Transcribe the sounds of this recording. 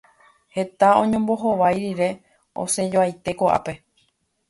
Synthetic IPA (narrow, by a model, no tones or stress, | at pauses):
he̞t̪aõɲõ̞mbo̞ɦo̞ʋajɾiɾe̞ | o̞̰se̞d͡ʒoajt̪e̞koʔa̰pe̞